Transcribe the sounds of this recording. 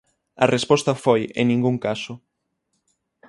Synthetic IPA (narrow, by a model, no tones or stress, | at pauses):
ɐ̰rʔespɔst̪ɐfojḛŋnĩŋɡuŋkasʊ